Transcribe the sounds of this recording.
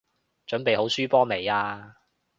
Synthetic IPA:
t͡ʃɵ˨˥npe˨jho˨˥wsyː˥pɔː˥me˨˩jaː˧

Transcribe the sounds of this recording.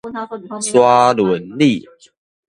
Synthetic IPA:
swa˦lwu˨˦nli˥˨

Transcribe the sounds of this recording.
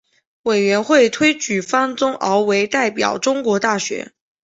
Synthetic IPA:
we˨˩ɪɥɛ˧˥nxwe˥˩ɪt̪ʰwe˥ɪt͡ɕy˨˩fa˥nt͡sʊ˥ŋʔɑ˧˥ʊwe˧˥ɪt̪a˥˩ɪpjɑ̰˨˩ʊʈ͡ʂʊ˥ŋkwɔ˧˥t̪a˥˩ɕɥɛ̰˧˥

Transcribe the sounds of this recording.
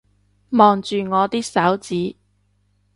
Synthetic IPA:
mɔː˨ŋt͡ʃyː˨ŋɔː˨˧t̪iː˥k̚sɐ˨˥wt͡siː˨˥

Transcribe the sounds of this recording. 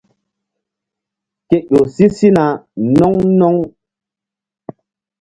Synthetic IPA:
ke˨ʄo˨si˦si˦na˨nɔ˦ŋnɔ˦ŋ

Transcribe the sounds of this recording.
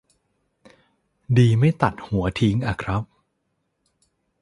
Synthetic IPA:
diː˧ma˥˩jt̪a˨˩t̪̚hu˩˦ɐt̪ʰi˦˥ŋʔa˧˩kʰɾa˦˥p̚

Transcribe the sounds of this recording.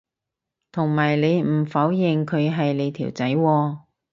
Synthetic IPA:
t̪ʰʊ˨˩ŋmaː˨˩jle˨˧jm̩˨˩fɐ˨˥wjɪ˨˩ŋkʰɵ˨˧ɥɦɐ˨jle˨˧jt̪ʰiː˨˩wt͡sɐ˨˥jwɔː˧

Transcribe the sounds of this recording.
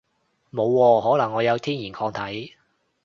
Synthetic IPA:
mo˨˧wːɔː˧hɔː˨˥lɐ˨˩ŋːɔː˨˧jɐ˨˧wt̪ʰiː˥njiː˨˩nkʰɔː˧ŋt̪ʰɐ˨˥j

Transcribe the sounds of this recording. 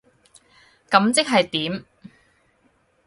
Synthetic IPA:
kɐ˨˥mt͡sɪ˥k̚ɦɐ˨jt̪iː˨˥m

